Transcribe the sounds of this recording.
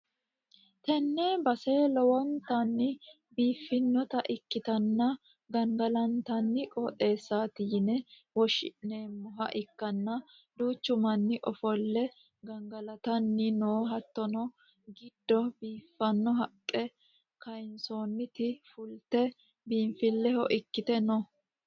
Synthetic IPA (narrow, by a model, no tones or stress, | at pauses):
t̪ɛnːebɐseːlɔwɔnt̪ɐnːɪ | biːfːɪnːɔt̪ɐʔɪkːɪt̪ɐnːɐ | ɡɐŋɡɐlɐnt̪ɐnːɪkʼɔːt̪ʼe̞ːsːaːt̪ɪjnɛ | wɔʃɪ̰ʔne̞ːmːʊɦɐ̰ʔɪkːɐnːɐ | d̪uːt͡ʃːʊmɐnːɪʔɔfɔlːɛ | ɡɐŋɡɐlɐt̪ɐnːɪnoːɦɐt̪ːɔnɔ | ɡɪd̪ːɔbiːfːɐnːɔɦɐkʼːɛ | kɐjnsoːnːɪt̪ɪfʊlt̪ɛ | biːnfɪlːɛhɔʔɪkːɪt̪ɛnɔ